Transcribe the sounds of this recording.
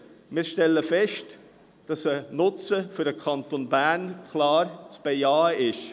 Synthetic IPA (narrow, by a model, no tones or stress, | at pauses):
mɪːɾʃtɛlːəfɛʃt | d̥ɑsənʊt͡səfyɾdəkʰɑnt̪onbæɾnkʰlɑːrt͡sb̥ɛjɑːəʔɪʃ